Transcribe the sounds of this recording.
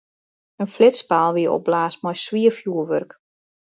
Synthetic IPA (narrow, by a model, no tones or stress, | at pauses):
ənflɪspaːlˠʋiəʔo̰b̚blaːsmɔjsʋiəfjuəʋørk